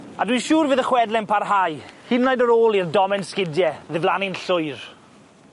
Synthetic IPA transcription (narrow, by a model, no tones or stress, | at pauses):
adwiʃuːrvɨːðəχwɛdlɛnpʰarɦajhɪnːajdəɾoːlˠirdɔmɛnskɪdjɛðɪvlˠanɪnɬʊɨɾ